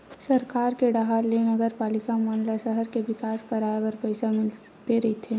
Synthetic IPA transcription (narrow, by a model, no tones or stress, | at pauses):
sɐɾkaːɾkeɖaɦaːɾlenɐɡəɾpaːlɪkamaːnlasəɦəɾkeʋɪkaːskɐɾaːebəɾpɐɪsamɪl | t̪eɾɐɦit̪ʰeː